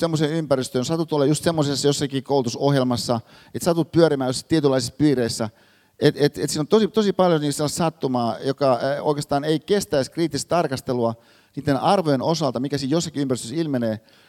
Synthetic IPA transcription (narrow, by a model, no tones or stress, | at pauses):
semːoseːympæryst̪øːjsɑt̪ut̪olːɑjust̪semːosesːɑjosːɑkiːkoulut̪usohjelmɑsːɑ | et̪sɑt̪ut̪̚pyøɾimæːjosːt̪iet̪ylːˑɑˑisispiːreisːæ | et̪et̪ḛt̪siːnont̪osit̪osipɑljoniːkselːɑst̪sɑt̪ːumɑːjokɑo̰ikest̪ɑːneikest̪æiskriːt̪ːist̪t̪ɑrkɑst̪eluɑ | niːt̪ːenɑrʋojenosɑlt̪ɑmikæsiːtjosːɑkiympæryst̪øsilmeneː